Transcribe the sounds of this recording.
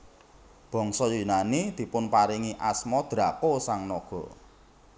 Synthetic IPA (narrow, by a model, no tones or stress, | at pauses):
b̥ɔ̤ŋsɔjunanid̪̥i̤pʊnpaɾiŋiʔasmɔd̪̥ɾa̤kosaŋnɔɡ̥ɔ̤